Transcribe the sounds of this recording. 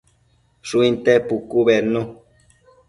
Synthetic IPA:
ʃuint̪ɛpukuβɛnũ

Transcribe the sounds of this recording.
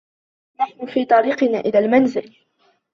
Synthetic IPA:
maħnʊfiːt̪ˤɑɾiːqɨnaːʔɪlaːlmanzɪl

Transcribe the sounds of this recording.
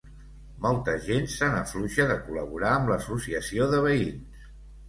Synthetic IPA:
mɔlˠt̪əzʒensanəɱfluʒəðəkuləβ̞uɾaəmbləsusiəsioðəβ̞əins

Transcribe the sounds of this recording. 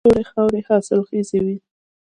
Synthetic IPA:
oɾexɑwɾehɑsɪlxəzewi

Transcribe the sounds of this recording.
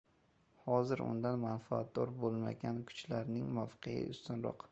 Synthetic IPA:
hɒzɪɾʊ̰nd̪anmanfaa̰t̪̚d̪ɒɾbolˠma̰ɡʲankʰʊ̥t͡ʃlaɾnɪŋmɒfqʰeɪ̰ʊst̪ʊnɾɒ̰q

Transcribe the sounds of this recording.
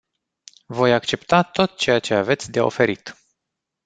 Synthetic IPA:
vo̞jakt͡ʃe̞pt̪at̪o̞t̪̚t͡ʃe̞jat͡ʃe̞ave̞t̪sʲd̪eo̞̰fe̞ɾit̪

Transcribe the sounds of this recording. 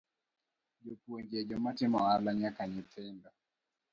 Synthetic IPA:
d͡ʒopweɲd͡ʒed͡ʒɔmatɪmɔalaɲakaɲɪtʰɪndɔ

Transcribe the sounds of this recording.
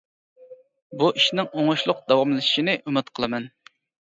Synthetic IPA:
buʔiʃnɪŋoŋʊʃlˠʊq̚d̪̥ɑwɑmlɨʃi̥ʃinɪʔymɪt̪qʰəlˠɨmɛn

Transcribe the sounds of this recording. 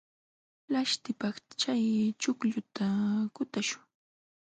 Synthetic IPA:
laʃt̪ɪpɑχt͡ʃajt͡ʃʊkʎʊt̪akʊt̪aʃʊ̥ŋ

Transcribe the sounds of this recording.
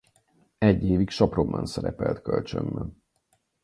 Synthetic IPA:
ɛɟːeːvikʃɒpro̞mbɒnsɛɾɛpɛlt̪kø̞lt͡ʃømbɛn

